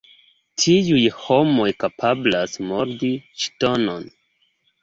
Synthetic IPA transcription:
tʰiujho̞mo̞jkapʰablasmoɾdiʃto̞no̞n

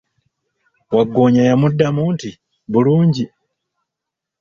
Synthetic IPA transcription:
waɡoɲajamudːamuːntʰi | βuluːɲɟi

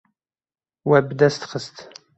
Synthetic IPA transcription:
wæbd̪æst̪χəst̪

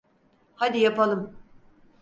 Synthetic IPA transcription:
had̪ijapalˠɯm

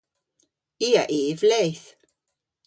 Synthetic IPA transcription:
iːa̰ʔiːvlɛjθ

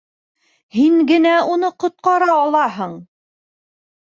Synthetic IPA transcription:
hiŋɡɘ̆næunɤqŏt̪̚qɑɾɑːlˠɑɦɤɴ

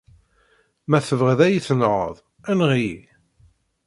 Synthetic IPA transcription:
mæθəvʁəðæjiθənʁə̰ðˤ | ænʁii

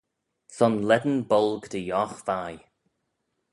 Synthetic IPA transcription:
sɔnlɛd̪ən̩bɔlˠɡd̪əjɔxvaj

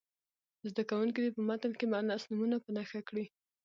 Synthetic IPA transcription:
zd̪akawuŋk̬id̪epəmat̪əlkemanɑsnumunapənaxakɽi

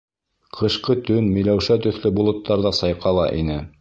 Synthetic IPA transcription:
qʰɤ̆ʃqɤt̪ɵnmɵ̆jlæwʃæt̪ɵ̆θlɘbulˠŏt̪ːɑɾðɑsɑjqɑlˠɑʔinɘ

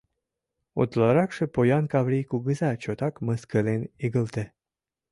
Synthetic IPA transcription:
o̰t̪lɑɾɑkʃəpojɑnkɑvɾijkuɡəzɑt͡ɕot̪ɑkməskəleniɡəlt̪e

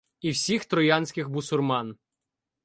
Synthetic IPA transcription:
iwsʲixt̪ɾɔjɑnʲsʲkʲɪxmʊsʊrmɑn

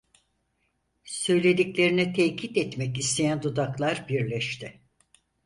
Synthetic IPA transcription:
sø̞jlʲe̞d̪iclʲe̞ɾinit̪ʰɛcʰit̪ɛt̪mɛk̬ist̪ʰe̞jænd̪ud̪aklˠaɾbiɾlʲɛʃt̪ʰɪ

